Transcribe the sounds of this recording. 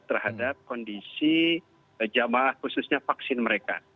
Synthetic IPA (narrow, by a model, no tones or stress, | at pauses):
t̪ərhadap̚kɔndisi | d͡ʒamahhususɲafaksɪnməɾeka̰